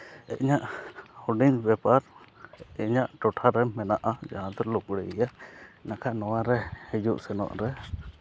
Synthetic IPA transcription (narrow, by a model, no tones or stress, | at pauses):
ɛ̰ʔɲaʔhuɖinbɛpaɾ | ɛɲaʔʈɔʈʰaɾɛmːɛnaʔad͡ʒaɦãd̪ɔɾlukɽɛijanakʰaʔnɔwaɾɛhɛd͡ʒuʔsɛnɔ̰ʔɾɛ